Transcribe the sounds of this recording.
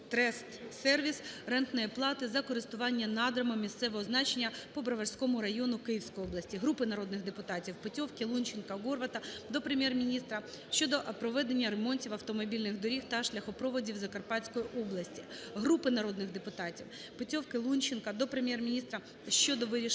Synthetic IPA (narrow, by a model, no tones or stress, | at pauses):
t̪ɾɛst̪sɛrʋʲisrɛnt̪nɔjɛplˠɑt̪ɪzɐkɔɾɪst̪ʊʋɑnʲːɐnɑd̪ɾɐmɔmʲist̪sɛʋɔɦɔznɑt͡ʃenʲːɐpɔbɾɐʋɐrsʲkɔmʊɾɐjɔnʊkɪjiwsʲkɔjɔblˠɐsʲtʲiɦɾupɪnɐɾɔd̪nɪɣd̪epʊt̪ɑtʲiwpɔtʲɔwkʲɪlˠunʲt͡ʃɪnkɐɣɔrʋɐt̪ɐd̪ɔpɾemʲjɛrmʲinʲist̪ɾɐ | ʃt͡ʃɔd̪ɔpɾɔʋɛd̪e̞nʲːɐɾemɔnʲtʲiwɐwt̪ɔmɔbʲilʲnɪɣd̪ɔɾʲixt̪ɐʃlʲɐxɔpɾɔʋɔdʲiwzɐkɐrpɑtʲt͡sʲkɔjiʔɔblˠɐsʲtʲiɦɾupɪnɐɾɔd̪nɪɣd̪epʊt̪ɑtʲiw | pɔtʲɔwkɪlˠunʲt͡ʃɪnkɐd̪ɔpɾemʲjɛrmʲinʲist̪ɾɐ | ʃt͡ʃɔd̪ɔʋɪɾʲi